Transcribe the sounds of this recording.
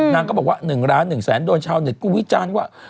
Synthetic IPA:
naː˧ŋkɔː˧˦ɓɔ˨˩k̚wa̰ː˧˥˩nɯ˨˩ŋɾaː˨˦nːɯ˨˩ŋsɛː˩˦nɗoː˧nt͡ɕʰaː˧wni˨˩t̚ku˧˥ŋwi˦˥t͡ɕaː˧n˦˥wa̰ː˧˩

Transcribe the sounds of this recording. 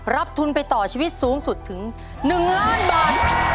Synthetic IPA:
ɾa˦˥p̚t̪ʰu˧npa˧jt̪ɔː˨˩t͡ɕʰiː˧wi˦˥t̪̚suː˩˦ŋsu˨˩t̪ʰːɯ˩˦ŋ | nɯ˨˩ŋlaː˦˥˩nbaː˨˩t̪̚

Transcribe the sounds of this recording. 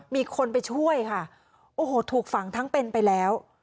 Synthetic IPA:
miː˧kʰo˧npa˧jt͡ɕʰu˥˩əjkʰa˥˩ | ʔoː˧˩hoː˨˩t̪ʰuː˨˩k̚fa˩˦ŋt̪ʰa˦˥ŋpe˧npa˧jlɛː˦˥w

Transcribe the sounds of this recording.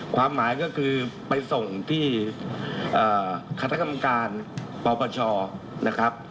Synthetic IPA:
kʰwaː˧mːaː˩˦jkɔː˥˩kʰɯː˧pa˧jso˨˩ŋt̪ʰiː˥˩ | ʔaː˨˩kʰa˦˩t̪ʰa˦˥ka˧mːa˧kaː˧npɔː˧pʰɔː˧t͡ɕʰɔː˧ | na˦˥kʰɾa˦˥p̚

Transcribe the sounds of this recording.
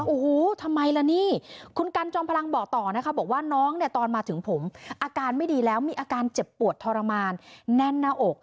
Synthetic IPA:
ʔoː˨˩hu˨˩t̪ʰa˧mːa˧jla˧˥niː˥˩kʰu˧nka˧nt͡ɕɔː˧mpʰa˧la˧ŋbɔː˨˩k̚t̪ɔː˨˩na˦˥kʰa˦˥bɔː˨˩k̚waː˥˩nɔː˦˥ŋni˥˩ɐt̪ɔː˧nmaː˧t̪ʰɯ˩˦ŋpʰo˩˦mʔaː˧kaː˧nma˥˩jdiː˧lɛː˦˥wmiː˧ʔaː˧kaː˧nt͡ɕe˨˩pːu˨˩ət̪ʰːɔː˧ɾa˧maː˧nːɛ˥˩nːaː˧˥˩ʔo˨˩k̚

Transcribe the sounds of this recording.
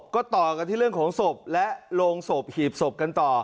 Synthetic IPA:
p̚kɔː˥˩t̪ɔː˨˩ka˧nt̪ʰi˥˩˨ɯ˥˩əŋkʰːŋso˨˩p̚lɛ˦˥ʔloː˧ŋso˨˩p̚hiː˨˩p̚so˨˩p̚ka˧nt̪ɔː˨˩

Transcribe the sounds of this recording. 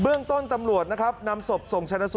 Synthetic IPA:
bɯ˥˩əŋt̪o˥˩nt̪a˧mɾu˨˩ət̪̚na˦˥kʰa˦˥p̚na˧mso˨˩p̚so˨˩ŋt͡ɕʰa˧nːa˧˥s

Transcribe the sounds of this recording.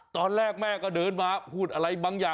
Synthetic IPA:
t̪ɔː˧nlɛː˥˩k̚mɛː˥˩kɔː˥˩dɤː˧nmaː˧pʰuː˥˩t̪̚ʔa˧ɾa˧jbaː˧ŋjaː˨˩

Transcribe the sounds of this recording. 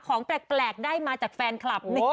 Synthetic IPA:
kʰɔː˩˦ŋplɛ˨˩k̚plɛː˨˩k̚daː˥˩jmaː˧t͡ɕaː˨˩k̚fɛː˧nkʰla˨˩p̚n˧˦

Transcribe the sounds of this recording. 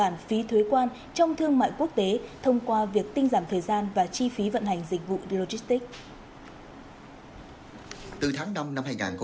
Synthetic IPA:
aː˧˩nfi˨˦t̪ʰwe˨˦kwaː˧n | t͡ɕɔ˧wŋ͡mt̪ʰɨ˧əŋma̰ː˧˨jku˦˥ək̚t̪e˨˦t̪ʰə˧wŋ͡mkwaː˧vi˨˩ək̚t̪ï˧ŋ̟zaː˧˩mt̪ʰəː˨˩jzaː˧nvaː˨˩t͡ɕi˧fi˨˦və̰˧˨nha˨˩jŋ̟zï˨˩k̟̚vṵ˧˨ɗi˧lo˧zi˦˥st̪i˦˥k̚ | t̪ɨ˨˩t̪ʰaː˨˦ŋna˧mna˧mhaː˧jŋaː˨˩nk

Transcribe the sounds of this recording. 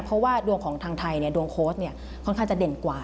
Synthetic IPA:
pʰɔ˦˥waː˥˩du˧əŋkʰɔː˩˦ŋt̪ʰaː˧ŋt̪ʰa˧jni˥˩ɐdu˧əŋkʰoː˦˥st̪̚ni˥˩ɐɔ˥˩nkʰa˥˩ŋt͡ɕa˨˩de˨˩nkwaː˨˩

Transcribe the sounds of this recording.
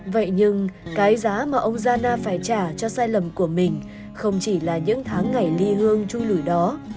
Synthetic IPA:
və̰˧˨jɲɨ˧ŋkaː˨˦jzaː˨˦maː˨˩ʔə˧wŋ͡mzaː˧naː˧faː˧˩jt͡ɕaː˧˩t͡ɕɔ˧saː˧jlə˨˩mku˧˩əmï˨˩ŋ̟ | xə˧wŋ͡mt͡ɕi˧˩laː˨˩ɲɨ̰˧˥ŋt̪ʰaː˨˦ŋːa˨˩jli˧hɨ˧əŋt͡ɕu˧lu˧˩jɗɔ˨˦

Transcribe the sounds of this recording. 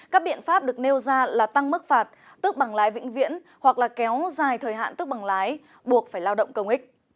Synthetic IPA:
kaː˦˥k̚ɓḭ˧˨ənfaː˦˥p̚ɗɨ˨˩ək̚ne˧wzaː˧laː˨˩t̪a˧ŋm˦˥k̚faː˨˩t̚ | t̪ɨ˦˥k̚ɓa˨˩ŋlaː˨˦jvḭ˧˥ŋ̟vḭ˧˨˥ən | hwa˨˩k̚laː˨˩kɛ˨˦wzaː˨˩jt̪ʰəː˨˩jɦa̰ː˧˨nt̪ɨ˦˥k̚ɓa˨˩ŋlaː˨˦j | ɓu˨˩ək̚faː˧˩jlaː˧wɗə̰˧˨wŋ͡mkə˧wŋ͡mʔï˦˥k̟̚

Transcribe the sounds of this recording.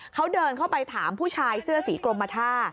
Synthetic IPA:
kʰa˦˥wdɤː˧nkʰa˥˩wpa˧jt̪ʰaː˩˦mpʰuː˥˩t͡ɕʰaː˧jsɯ˥˩ɐsiː˩˦kɾlo˧mːa˧t̪ʰaː˥˩

